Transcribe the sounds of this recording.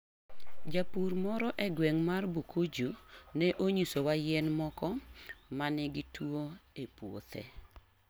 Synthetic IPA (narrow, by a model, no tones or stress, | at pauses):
d͡ʒapuɾmɔɾɔʔɛɡwɛŋmarbukʰod͡ʒunɛʔoɲisowajɛnmɔkɔmanɛɡɪtwoepwo̰t̪ɛ̰